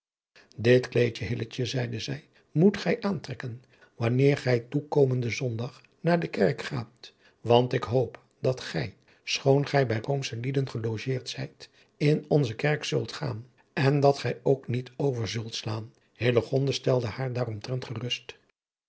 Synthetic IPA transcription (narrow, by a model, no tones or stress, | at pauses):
dɪtklejəɦɪlət͡ʃəzɛjdəzɛj | mutχɛjʔaːntrɛkən | ʋɑnɪːɹχɛjtukowməndəzɔndɑχ | naːɹdəkɛrkχaːt | ʋɑntɪkɦowp | d̥ɑtχɛj | sχownχɛjbɛjromsəlidənχəlowʒɪːɹtsɛjt | ɪnɔnzəkɛɹksɵlˠtχa̰ːn | ɛndɑtχɛjowknitʰowvəɹzɵlˠtslaːn | heləχɔndastɛlˠdəhaːɹdaːrɔmtrɛntχərɵst